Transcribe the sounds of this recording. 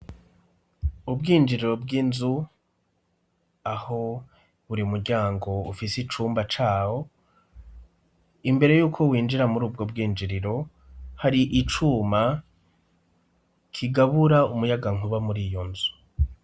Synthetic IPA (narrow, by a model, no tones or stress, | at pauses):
ubɡiːnd͡ʒiɾiɾo̞bɡinzu | aho̞ | βuɾiumuɾɟaːŋɡo̞ṵfisit͡ʃuːmbat͡ʃaːwo̞ | imbe̞ɾe̞juːkʰo̞wiːnd͡ʒiɾamuɾuːb̚ɡob̚ɡiːnd͡ʒiɾiɾo̞ | haɾiʔit͡ʃuːma | kʰiɡaβuɾaumujaɡaŋ̥uβamuɾiːjo̞nzu̥